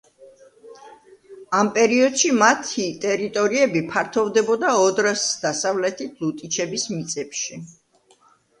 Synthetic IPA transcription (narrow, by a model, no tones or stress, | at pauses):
ampʼɛɾiɔd̪̥ʃimat̪ʰit̪ʼɛɾit̪ʼɔɾiɛbipʰaɾt̪ʰɔvd̪ɛbɔd̪aɔd̪ɾasd̪̥asavlɛt̪ʰit̪ʰlut̪ʼit͡ʃʰɛbismit̪sʼɛpʃi